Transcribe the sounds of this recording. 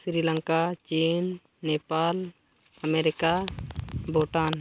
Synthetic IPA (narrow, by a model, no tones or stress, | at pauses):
sɾilə̃ŋkat͡ʃinː | epal | əmeɾɪka | boʈan